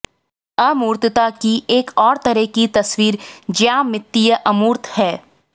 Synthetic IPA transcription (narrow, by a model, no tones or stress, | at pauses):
ɐmuːɾt̪t̪akiʔeːkɔːɾt̪ɐɾəɦkit̪ɐswiːɾd͡ʒjaːmɪt̪ːijəʔɐmuːɾt̪hɛː